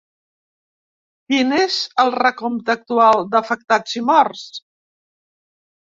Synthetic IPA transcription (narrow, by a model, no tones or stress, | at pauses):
kinezəlˠrəkomt̪ək̚t̪ualˠd̪əfək̚t̪azimɔrs